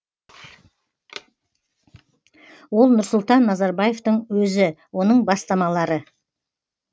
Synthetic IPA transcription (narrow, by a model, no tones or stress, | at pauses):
wo̞lˠnʊɾsʊlˠt̪ɑnːɑzɑɾbɑje̞ft̪əɴwɵzɪwo̞nəɴbɑst̪ɑmɑlˠɑɾə